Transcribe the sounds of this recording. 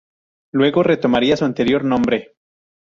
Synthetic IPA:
lwe̞ɣo̞re̞t̪o̞maɾiasuant̪e̞ɾjo̞ɾnõ̞mbɾe̞

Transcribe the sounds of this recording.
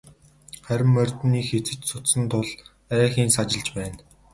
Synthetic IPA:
χæɾʲɪ̆mːœrʲt̪niːxet͡sɘ̆t͡ɕsʊt̪sə̆nt̪ʰʊɮ | æːxiːnsat͡ɕɪ̆ɮt͡ɕpæːn

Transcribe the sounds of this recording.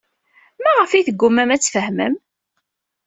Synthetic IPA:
mæʁəfiθəɡːʊmːæmæt͡sːfəhmə̰m

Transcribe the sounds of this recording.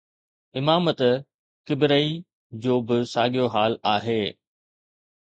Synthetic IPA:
ɪmaːmət̪ | kɪbɾəi | d͡ʑoːbɪsaːɠijoɦaːlaːɦeː

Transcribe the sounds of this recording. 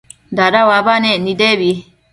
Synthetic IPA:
daɾawabanenideβi

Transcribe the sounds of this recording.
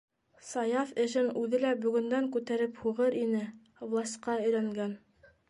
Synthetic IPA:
sɑjɑfɘ̆ʃɘnʉðɘlæbɵ̆ɡɵ̆nd̪æŋkʉt̪æɾɘphuʁɤɾinɘ | vlˠasʲt̪qɑɵ̆jɾæŋɡæn

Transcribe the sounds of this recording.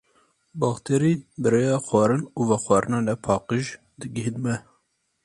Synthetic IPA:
bɑːxt̪ʰeɾiːbɨɾejɑːxwɑːɾɨnuːvɛxwɑːɾʔɨnɑːnɛpʰɑːqəʒ | d̪ɨɡiɦid̪mɛ

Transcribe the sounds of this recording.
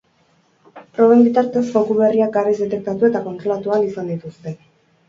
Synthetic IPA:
pɾo̞βembit̪aɾt̪e̞sfo̞kuβe̞riak̚ɡaβezd̪et̪e̞k̚t̪at̪ue̞t̪ako̞nt̪ɾo̞lat̪ualisand̪it̪ust̪e̞

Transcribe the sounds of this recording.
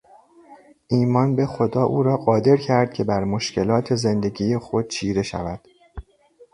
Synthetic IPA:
ʔiːmɒːnbe̞xod̪ɒːʔuːɾɒːɢɒːd̪e̞ɾcʰæɾd̪̚cʰe̞bæɾmo̞ʃcʰe̞lɒːt̪ʰe̞ze̞nd̪e̞ɟiːjexo̞d̪̥̚t͡ʃʰiːɾe̞ʃæ̰væd̪̥

